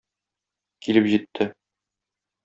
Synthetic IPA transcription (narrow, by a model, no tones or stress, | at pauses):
kilɘpʑit̪ʰːɘ